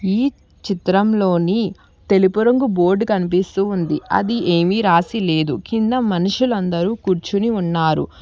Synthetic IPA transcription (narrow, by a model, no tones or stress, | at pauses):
iː | t͡ʃit̪ɾɐmlo̞ːni | t̪e̞lipuɾɐŋɡubo̞ːɾɖkɐnip̬ist̪uːnd̪iɐ̰d̪iʔeːmiɾaːsile̞ːd̪ukind̪ɐmɐnuʂulɐnd̪ɐɾuːkuːɾt͡ʃuniunːaːɾṵ